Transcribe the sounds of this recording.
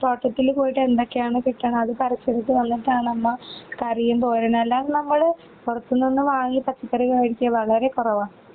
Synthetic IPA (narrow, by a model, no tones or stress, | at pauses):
toːʈːɐt̪ːilkoːjiʈːe̞nd̪okːejaːɳɨkiʈːɐɳɐɐðɨpɐɾisɐɽit̪ːɨʋɐnːiʈːaːɳɨnɐmːɐkɐrijɐnt̪oːɾɐnɐlːaːnnɐmːɐɭ | purɐt̪ːunːinːɨʋaːŋːipɐt͡ɕːipːɐɾiɣɐʋɐɽikʲːjɐʋɐɭɐɾe̞kurɐʋaːm